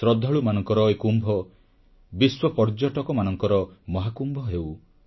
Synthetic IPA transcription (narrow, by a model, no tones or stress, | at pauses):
sɾɔd̪ʱɔɭumanɔŋkɔɾɔekumbʱɔ | biswɔpɔɾd͡ʒɔʈɔkɔmanɔŋkɔɾɔmɔɦakumbʱɔɦew